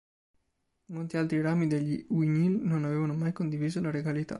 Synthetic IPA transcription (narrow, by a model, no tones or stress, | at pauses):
molt̪ialt̪ɾiɾamid̪eʎːiwiɲilnonaveːvanomajkond̪iviːzolaɾeɡalit̪a̰